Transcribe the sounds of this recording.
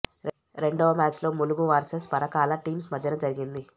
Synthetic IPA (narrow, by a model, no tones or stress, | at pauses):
ɾe̞ɳɖoːʋɐmaːt͡ʃlo̞ːmuluɡuʋɐɾsɐspɐɾɐkaːlɐʈiːmsmɐd̪ʱjɐnɐd͡ʒɐɾiɡind̪i